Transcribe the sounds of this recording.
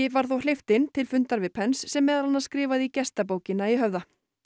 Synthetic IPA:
ɪvaɾ̥θowl̥ɪft̪ɪnt̪ʰɪlfʏnt̪aɾvɪpʰɛnsːɛmːɛːðalanaskɾɪːvaðicɛst̪ap̬oːwcɪnaiɦœvða

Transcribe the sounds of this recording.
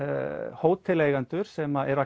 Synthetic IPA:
hoːwt̪ʰɪlejɣant̪ʏɾ̥sɛmaɛɾa

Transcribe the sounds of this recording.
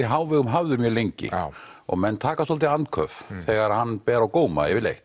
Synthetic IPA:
ɪɦaːwvɪɣʏmɦavðʏɾmjœlejɲcɪ̰ɔ̰ɣmɛnːt̪ʰaːkasɔlt̪ɪant̪kʰœfθɛːɣaɾhanːpɛːɾawkoːwma̰ɛvɪlḛjht̪

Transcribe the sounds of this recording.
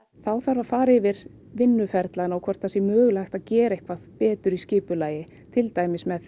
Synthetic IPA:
θawθaɾvafaːɾɪvɪɾ̥ | vɪnːʏfɛɾt̪lanaɔwkʰvɔr̥t̪θasjɛmœːɣlajxt̪aðcɛːɾaejhkʰvaðpɛːt̪ʏɾiscɪːpʏlaːjɪ | t̪ʰɪlt̪aːjmɪsmɛð

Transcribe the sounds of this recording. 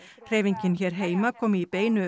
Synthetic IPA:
r̥eːviɲcɪnçɛːɾ̥ɦeːjmakʰɔːmɪipeːjnʏ

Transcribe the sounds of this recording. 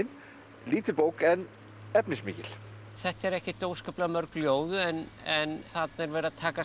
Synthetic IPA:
n | liːt̪ɪlpoːwkɛn | ɛpnɪsmɪ̰ːcɪl̥ | θɛht̪ɛɾɛhcɪt̪oːwskaplamœɾkljoːwðʏɛnɛnθat̪nɛɾvɛːɾat̪ʰaːka

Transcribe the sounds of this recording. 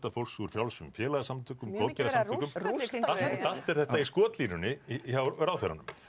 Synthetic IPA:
t̪afowlsuɾ̥fjawlsʏmfjɛːlaɣasamt̪ʰʏːkʏmkowðcɛɾasamʏːkʏmaal̥t̪ɛɾ̥θɛht̪aiskɔːt̪liːnʏnɪçawɾawfɛɾanʏm

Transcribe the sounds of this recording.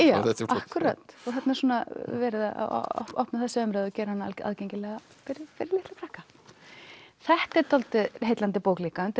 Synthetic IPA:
jaːɛahkʏɾa̰t̪ɔɣθɛt̪naɛɾsuːnavɛːɾɪða̰a̰ɔ̰ɔhpnaθɛsɪʏmɾɛːðɔcɛːɾɪhanːaa̰a̰ðcejɲcɪlɛɣa | fɪɾɪfɪɾɪlɪht̪akɾahkḁ | θɛht̪ɛɾt̪ʰɔlt̪ɪɦeːjt̪lant̪ɪpoːwkliːkaʏnt̪

